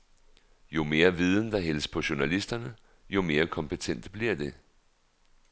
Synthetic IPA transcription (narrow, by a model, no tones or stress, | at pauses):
jo̝me̝ːɐʋið̞ˠən̩d̥ɑ̈ɦel̰spʰɒ̽ɕunælisd̥ɐnə | jo̝me̝ːɐkʰɒ̽mpʰet͡sʰen̰d̥b̥liɐ̰d̥e̝